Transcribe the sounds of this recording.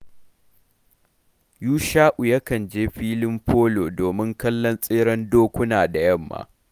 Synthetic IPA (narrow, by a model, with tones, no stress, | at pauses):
juː˦ʃaː˦ʔu˨jɐ˦kɐ˨nd͡ʒeː˦ɸiː˦lɪ˦mɸʰoː˦loː˨doː˨mɪ˦ŋkɐ˦lːɐ˦nsʼeː˦ɽɐ˦ndoː˦kʷʊ˦naː˨da˨jɐ˦˨mːa̰ː˨